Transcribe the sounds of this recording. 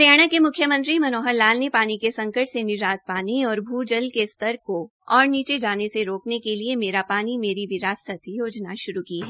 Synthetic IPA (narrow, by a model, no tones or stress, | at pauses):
ɾjaːɽ̃akemʊkʰjəmə̃nt̪ɾimɐnoːɦəɾlaːlnepaːnikesɐ̃ŋkəʈʰsenɪd͡ʒaːt̪̚paːniɔːɾbʱuːd͡ʒəlkest̪əɾko | ɔːɾniːt͡ʃed͡ʒaːneseɾoːknekeliemeːɾapaːnimeːɾiʋɪɾaːsət̪ʰijoːd͡ʒnaʃʊɾukiɦɛː